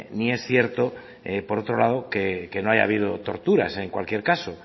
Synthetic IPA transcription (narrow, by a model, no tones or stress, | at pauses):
nie̞sθje̞ɾt̪o̞ | epo̞ɾo̞t̪ɾo̞laðokeke̞noaja̰β̞ið̞o̞t̪o̞̰ɾt̪uɾa̰se̞ŋkwa̰lkje̞ɾkaso̞